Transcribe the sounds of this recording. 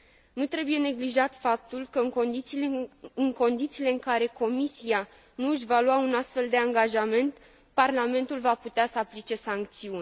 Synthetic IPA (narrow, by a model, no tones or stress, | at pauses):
nut̪ɾe̞buje̞ne̞ɡliʒat̪fap̚t̪ulkəɨŋkod̪iiɨŋko̞nd̪it̪siːle̞ɨŋkaɾe̞ko̞misia | nuɨʃʲvalwaunast̪fe̞ld̪e̞aŋɡaʒame̞nt̪ | parlame̞nt̪ulvaput̪easəaplit͡ʃe̞saŋkt̪siun